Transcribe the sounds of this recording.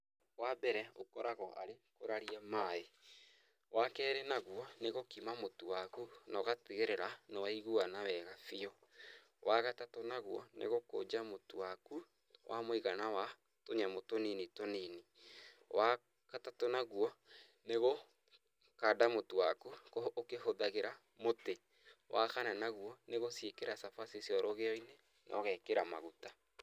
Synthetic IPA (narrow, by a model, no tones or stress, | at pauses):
wabɛɾɛo̰kɔɾaɣɔʔa̰ɾekoɾaɾiamae | wakɛːɾenaɣwɔneɣokimamotuwakunaɣateɣeɾeɾanowaiɣuanawɛɣafiɔ | waɣatatonaɣwɔ̰nʔḛɣoko̰d͡ʒamotowaku | wʔa̰moiɣanawa | toɲamotoninitonini | wa | katatonaɣuɔ | neɣo | kadamotuwakukookehoðaɣeɾa | mote | wʔa̰kananaɣwɔneɣosjekeɾasafasesjɔɾɔɣeɔine | nʔɔ̰ɣɛkeɾama̰ɣuta